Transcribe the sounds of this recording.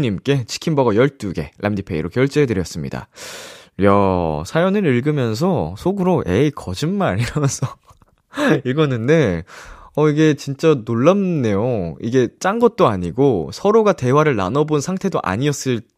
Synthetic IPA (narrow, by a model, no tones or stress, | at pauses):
ɲimk͈e̞t͡ɕʰi̥kʰimbʌɡʌjʌɭt͈uɡe̞̰lʔamdipʰe̞ḭɾokjʌɭt͡ɕ͈eɦedɯɾjʌs͈ɯmɲḭda̰ | jasʰajʌnɯɾiɭɡɯmjʌns̬ʰʌsʰoɡɯɾoʔeikʌd͡ʑinmaɾiɾʌsʰʌ | iɭɡʌnɯnde̞ | ʌiɡe̞t͡ɕint͡ɕ͈anoɭːamnnːe̞joiɡe̞t͡ɕ͈aŋɡʌt̚t͈oaɲiɡosʰʌɾoɡate̞waɾɯɭna̰nʌbonsʰaŋtʰe̞doʔa̰ɲiʌs͈ɯɭ